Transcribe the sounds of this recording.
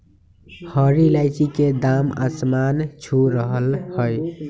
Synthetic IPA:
həɾilaɪt͡ʃiked̪ama̰smant͡ʃʰuɾəɦəlhəj

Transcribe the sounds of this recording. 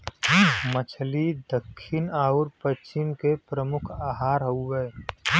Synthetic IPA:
mət͡ʃʰlid̪əkʰːɪnaːʊɾpət͡ʃɪmkepɾəmʊkʰaːɦaːɾɦəuɡəe

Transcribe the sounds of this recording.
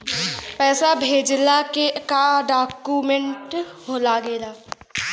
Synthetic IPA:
pɛːsabʱeːd͡ʒlakekaɖaːkumẽɳʈhoːlaɡeːlaː

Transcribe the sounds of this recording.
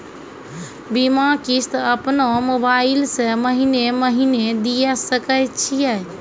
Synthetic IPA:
bimakist̪əpnomobaɪlsə̃məɦineməɦined̪ijɛsəkət͡ʃʰijɛ

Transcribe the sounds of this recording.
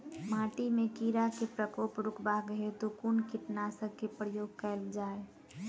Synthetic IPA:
mãːʈimẽkiːɾakepɾəkoːpɾʊkʰbaɡɦet̪okunkiʈnasəkːepɾəjoːɡ̚kɛld͡ʒaːe

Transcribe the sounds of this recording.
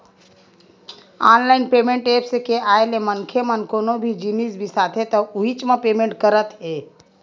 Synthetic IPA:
aːnlaːɪnpeːmẽɳʈeːpsekeaːelemənkʰemənkoːnobʱid͡ʒinisbʱisaːt̪ʰet̪ɔuit͡ʃmẽpeːmẽɳʈkəɾət̪ɦe

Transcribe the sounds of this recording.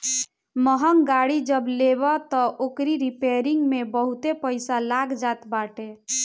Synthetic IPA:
məɦəŋɡaɽid͡ʒəblebət̪ɔʔokɾiɾipeɾiŋɡmebəɦut̪epəɪsalaɡd͡ʒat̪baʈe

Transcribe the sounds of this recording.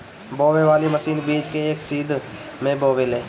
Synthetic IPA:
boːʋeʋaːliməsiːnbiːd͡ʒkeeːksiːd̪ʱ | mẽboːʋeleː

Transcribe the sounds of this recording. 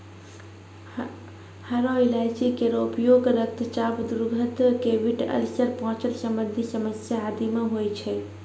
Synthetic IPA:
haɾoilad͡ʒikeɾoupjoːɡɾək̚t̪t͡ʃaːbd̪uɾɡʱət̪keʋiʈə̰lsəɾpɔɦɔ̃t͡ʃəlsəmənd̪ʱisəməsjaːd̪imẽɦojt͡ʃʰe

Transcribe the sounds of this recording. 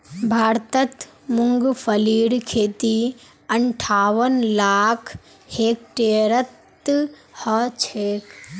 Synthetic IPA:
bʱaːɾt̪ət̪ | muŋɡpʰɐliːɽkʰeːt̪i | ɐɳʈʰaːʋənlaːkʰ | heːk̚ʈeːɾət̪ː | hət͡ʃʰeːk

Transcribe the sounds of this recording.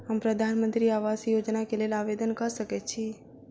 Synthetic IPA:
ɦəmpɾəd̪ʱanmənt̪ɾiaʋasjod͡ʒnakelelaʋed̪ənkəɾʃəket͡ʃʰi

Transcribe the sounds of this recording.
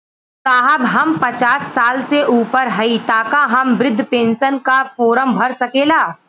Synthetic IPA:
t̪aːɦɐbɦɐmpɐt͡ʃaːsːaːlseʔuːpəɾɦɐit̪aːkaɦɐmʋɾɪd̪ʱːpẽːnsənkafoːɾəmbʱɐɾsɐkeːlaː

